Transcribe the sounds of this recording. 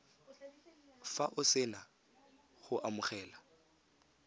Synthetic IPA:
faʔʊsɪna | χʊʔamʊχɛːla

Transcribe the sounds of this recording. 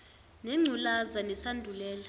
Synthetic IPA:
nɛŋ͡ǀʱulazanɛsandʱulɛːla

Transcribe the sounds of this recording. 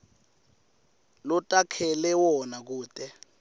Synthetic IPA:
lɔtʼakʰɛlɛwɔnak̬uːtʼɛ

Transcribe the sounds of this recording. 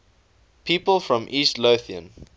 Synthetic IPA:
pʰiːpəlˠfɹɔ̃mʔiːˑstloθiə̰̃n

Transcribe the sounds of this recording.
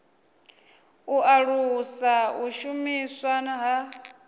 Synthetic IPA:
uʔaɺusauʃumiswanaɦa

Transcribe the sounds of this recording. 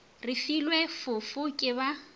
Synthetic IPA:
rɪfilwefʊfʊkʼɪba

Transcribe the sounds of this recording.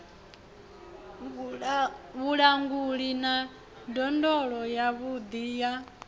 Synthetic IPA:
βuɺaŋɡuɺina | dɔndɔɺɔjaβud̪ija

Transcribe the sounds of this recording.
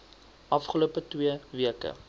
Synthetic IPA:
ʔɐfχəluəpətwiəviəkə̰

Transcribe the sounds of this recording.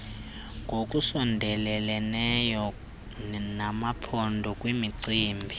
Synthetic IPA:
ŋɡʱokʼusɔndʱɛlɛlɛnɛjɔ | namapʰɔndʱɔkʼwimiǀiːmbʱi

